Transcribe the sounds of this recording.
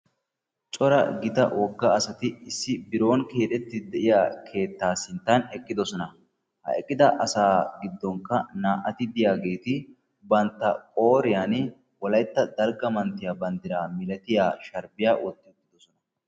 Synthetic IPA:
t͡ʃʼɔɾɐ̰ɡɪt̪ɐ̰wʔɔɡːɐːsɐt̪ɪɪsːɪbɪɾo̞ːnke̞ːᶑ̪ɛt̪ːɪd̪ɛʔɪjaːkʰe̞ːt̪ːaːsɪnt̪ːɐnɛkʼːɪd̪ɔsɔnɐ | hɐ̰ɛkʼːɪd̪ɐʔɐsaːɡɪd̪ːɔŋkːɐnaːʔɐt̪ɪd̪ɪjaːɡe̞ːt̪ɪ | bɐnt̪ːɐkʼo̞ːɾɪjaːn | wɔlɐjt̪ːɐd̪ɐlɡɐmɐnt̪ːɪjaːbɐnd̪ɪɾaːmɪlɛt̪ɪjaːʃɐɾbɪjaːwɔt̪ːɪt̪ːɪd̪ɔsɔnɐ

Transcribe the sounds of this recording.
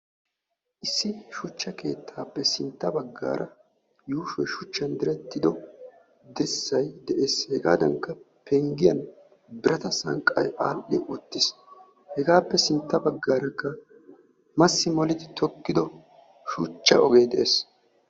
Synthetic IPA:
ʔɪsːɪʃʊt͡ʃːɐke̞ːt̪ʰːaːpːɛsɪnt̪ːɐbɐɡːa̰ːɾʔɐ | juːʃɔjʃʊt͡ʃːɐnd̪ɪɾɛt̪ːɪd̪ɔ | d̪ɛsːɐjd̪ɛʔeːshɛɡa̰ːd̪ɐŋkːɐ | pɛŋɡɪjɐn | bɪɾɐt̪ɐsɐ̰ŋkʼːɐ̰jʔaːlɗɪʔɔt̪ːɪs | hɛɡaːpːɛsɪnt̪ːɐbɐɡːaːɾɐkːɐ | mɐsːɪmɔlɪd̪ɪt̪ʰɔkːɪd̪ɔ | ʃʊt͡ʃːɐɔɡejd̪ɛʔeːs

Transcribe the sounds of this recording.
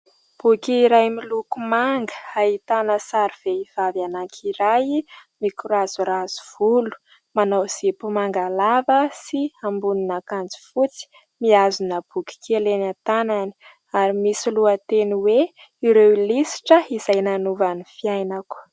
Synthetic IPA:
b̥ukʲiːɾajmilukumaŋɡə̥ait̪anəsaɾiv̥eiv̥avjanaŋkʰiɾajmikuɾazuɾaz̥u̥v̥ulu̥ | manawz̥ipumaŋɡalavəsiambuninakand͡zi̥fut͡si̥ | miazunəb̥ukʲi̥kelenat̪anani̥ | aɾimisiluət̪eniwe | iɾewilisi̥ʈ͡ʂəiz̥ajnanuvanifiajnaku̥

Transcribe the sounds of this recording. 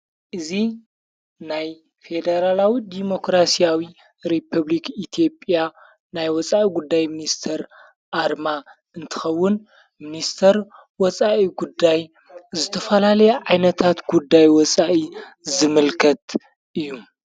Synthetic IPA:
ʔɨzi | naj | fe̞d̪ɐɾalawid̪imo̞kɾasijawi | ɾipʰɐβlikit̪ʰijo̞pʼja | najwɔt͡sʼaʔiɡud̪ːajminist̪ʰɐɾ | ʔaɾma | ʔɨnt̪ʰɨ̥xɐwːʊn | minist̪ʰɐɾ | wɔt͡sʼaʔiɡud̪ːaj | zɨt̪ʰɐfɐlalɐjɛʕajnɐt̪ʰat̪ɡud̪ːajwɔt͡sʼaʔizɨmɨlkʰɐt̪ | ʔɨjːu

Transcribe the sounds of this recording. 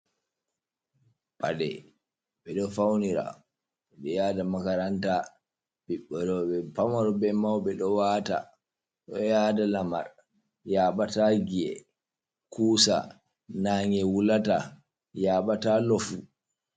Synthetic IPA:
padɛ̰ | ɓɛɗɔfawniɾa̰ | ɗɔjaːdamakaɾanta | biɓːɔɾɔɓɛpamɔɾɔbɛmawɓɛɗɔwaːta̰ | ɗɔjaːdalama̰ɾ | jaːɓataɡiɛ̰ | kʰuːsa̰ | naːŋɛwulata | jaːɓatalɔfu

